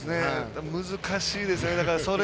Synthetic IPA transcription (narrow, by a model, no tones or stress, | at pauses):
ɨne̞mɯzɨkʰaɕiːd̪e̞sɨne̞d̪akaɾaso̞ɾe